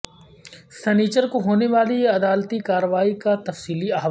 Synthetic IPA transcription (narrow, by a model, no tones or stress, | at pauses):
sɛniːt͡ʃəɾkoɦoːneʋaːliɐd̪aːlt̪ikaːɾəʋaːikat̪ɐfsiːliaːɦʋa